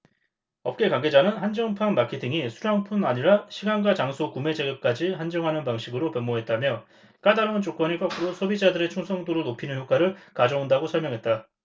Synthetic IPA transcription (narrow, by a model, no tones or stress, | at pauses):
ʌp̚k͈e̞kwaŋɡe̞d͡ʑanɯnhand͡ʑʌŋpʰanmakʰe̞tʰiŋisʰuɾaŋpʰunaɲiɾaɕʰiɡanɡat͡ɕaŋsʰokume̞d͡ʑeɡɯp̚k͈ad͡ʑihand͡ʑʌŋɦanɯnpaŋɕʰiɡɯɾopemːoɦe̞t̚t͈amjʌ | k͈adaɾaunt͡ɕok͈wʌɲik͈akʰɯɾosʰʌbid͡ʑadɯɾe̞t͡ɕʰuŋsʰʌŋdoɾɯɭnopʰinɯnçjok͈aɾɯɭkad͡ʑʌundaɡosʰʌɭmjʌŋɦe̞t̚t͈a